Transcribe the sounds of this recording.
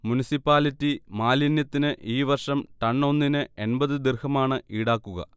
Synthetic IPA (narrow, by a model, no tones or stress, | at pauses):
munisipːaːlitːimaːlinjɐt̪ːinɨʔiːʋɐrʂɐmʈɐɳːo̞nːinɨe̞nbɐðɨd̪irhɐmaːɳɨiːɽaːkːuɣɐ̰